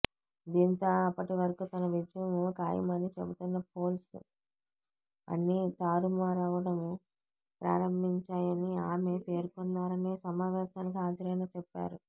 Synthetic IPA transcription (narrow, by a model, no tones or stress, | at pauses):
d̪iːnt̪oːɐpːɐʈiʋɐɾɐkut̪ɐnɐʋid͡ʒɐjɐmukaːjɐ̰mɐnit͡ʃebut̪unːɐp̚ʰo̞ːls | ɐ̰nːit̪aːɾumaːɾaːʋɐɽɐmu | pɾa̰ːɾɐmbʱiɲt͡ʃaːjɐniaːme̞ːpe̞ːɾkɔnːaːɾɐneːsɐmaːʋɛːʃaːnikiɦaːd͡ʒɐɾɐjnaːt͡ʃɛpːa̰ːɾu